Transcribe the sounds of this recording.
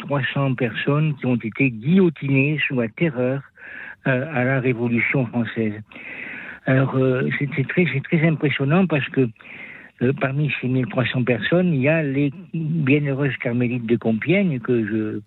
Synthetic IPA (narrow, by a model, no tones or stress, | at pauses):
t̪χwasɑ̃pɛʁsɔnkʲiɔ̃t̪et̪eɡijɔt̪inesulat̪eʁœːʁ | alaʁevɔlysjɔ̃fχɑ̃sɛz | alɔʁøsɛsɛt̪χɛsɛt̪χɛzɛ̃pχesjɔnɑ̃paʁsə̥kə | paʁmisemilt̪χwasɑ̃pɛʁsɔniljalebjɛ̃nøʁøzkaʁmelit̪̚d̪əkɔ̃pjɛɲkəʒə